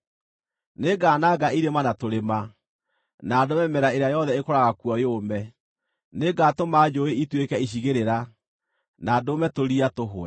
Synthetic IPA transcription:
neɡanaɡaiɾemanatoɾema | nadomɛmɛɾaeɾeajɔðɛekɔɾaɣakwɔjomɛ | neɡatomad͡ʒoeitwekɛiɕ̬iɣeɾeɾa | nadomɛtoɾiatoɦoɛ

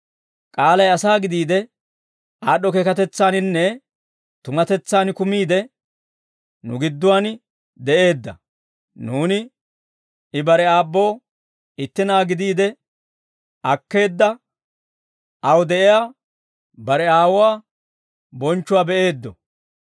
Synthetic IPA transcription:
kʼaːlɐjɐsaːɡɪd̪iːd̪ɛ | aːɗɔkɛkɐt̪ɛt͡sːaːnɪnːɛ | t̪ʊmɐt̪ɛt͡sːaːnkʊmiːd̪ɛ | nʊ̰ɡɪd̪ːʊwaːn | d̪ɛʔe̞ːd̪ːɐ̰ | nuːnɪ | ɪbɐɾɛaːbːo̞ː | ɪt̪ːɪnaːɡɪd̪iːd̪ɛ | ʔɐkːe̞ːd̪ːɐ | ʔɐwd̪ɛʔɪjaː | bɐɾɛaːwʊwaː | bɔnt͡ʃːʊwaːbɛʔe̞ːd̪ːɔ

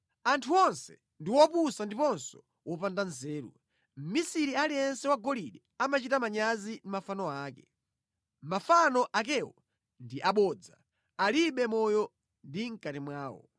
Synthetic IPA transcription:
antʰuɔnsɛ | ndiwɔpusandipɔnsɔ̥ | wɔpandanzɛːɾṵ | m̩misiɾialiɛnsɛwaɡɔliɗɛamat͡ʃitamaɲazimafanɔaːkɛ | mafanɔʔak̬ɛwɔ | ndiʔaɓɔd͡za | aliɓɛmɔjɔ | ndiŋ̩katimwaːwɔ̰

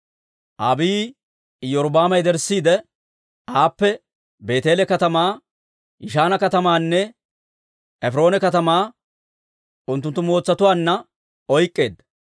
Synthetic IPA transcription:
ʔaːbiː | jɔɾbaːmɐjd̪ɛɾsːiːd̪ɛ | ʔaːpːɛ | be̞ːt̪e̞ːlɛkɐt̪ɐmaː | jɪʃaːnɐkɐt̪ɐmaːnːɛ | ɛfɪɾo̞ːnɛkɐt̪ɐmaː | ʔʊnt̪ːʊnt̪ːʊmo̞ːt͡sːɐt̪ʊwaːnːɐ | ɔjkʼːe̞ːd̪ɐ

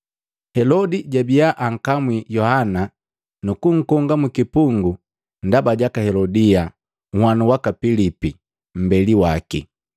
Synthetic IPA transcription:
hɛlɔdiɟabijaʔaŋ̩kamwijɔhana | nukuŋ̩kɔŋɡamukipuŋɡu | n̩dabaɟakahɛlɔdia | ŋhwanuwakapilipi | m̩bɛliwakḭ

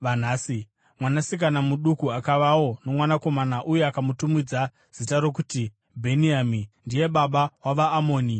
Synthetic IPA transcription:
ʋan̤aːsi | mwanasik̬anamuɗukuakaʋawo̞no̞mwanako̞manaʔujeakamutumid͡za | z̥itaɾo̞k̬uti | bʱeniamindije̞ɓaɓawaʋaːmo̞ːni

